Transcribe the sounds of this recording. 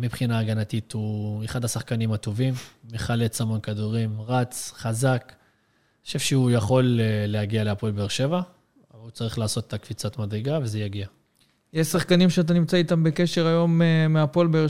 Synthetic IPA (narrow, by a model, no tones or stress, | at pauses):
mipχinaːɡanat̪it̪ue̞χad̪hasaχkanimat̪o̞vimːeχalet͡samo̞nkad̪uʁimʁat͡sχazak | aʃevʃeujaχo̞leːehaɡialeapo̞lbeeʁʃe̞va | avalut͡saʁiχlaːso̞t̪e̥t̪akv̥it͡sat̪mad̪ʁeɡavezejaɡia | jeʃsaχkanimʃeat̪̬animt͡sait̪ambe̞ke̞ʃe̞ʁajo̞memeapo̞lbee